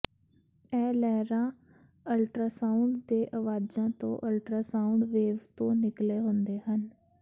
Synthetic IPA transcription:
ɛːlɛːɾãː | əlʈɾaːsaːʊɳɖd̪eːʔəʋaːd͡ʒãːt̪õ̰ːʔəlʈɾaːsaːʊɳɖʋeːʋt̪õːnɪkleːɦʊnd̪eːhən

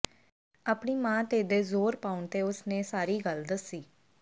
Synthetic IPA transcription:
aːpɳiːmãːt̪eːd̪eːzoːɾpaːʊɳt̪eːʊsnẽːsaːɾiːɡəld̪ɪsːiː

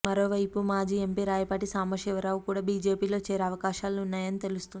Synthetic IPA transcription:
mɐɾo̞ːʋɐjpumaːd͡ʒiːe̞mpiːɾaːjɐpaːʈisaːmɐʃiʋɐɾaːʋukuːɽaːbiːd͡ʒe̞ːpiːlo̞ːt͡ʃɛːɾeɐʋɐkaːʃaːluunːaːjɐnit̪e̞lust̪uni

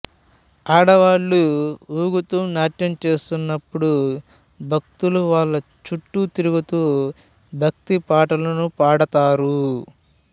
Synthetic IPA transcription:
aːɽɐʋaːɭːuuːɡut̪uːnaːʈjɐmt͡ʃe̞ːst̪unːɐpːuɽu | bʱɐk̚t̪uluʋaːɭːɐ | t͡ʃuʈːut̪iɾuɡut̪uː | bʱɐk̚t̪ipaːʈɐlɐnupaːɽɐt̪aːɾu

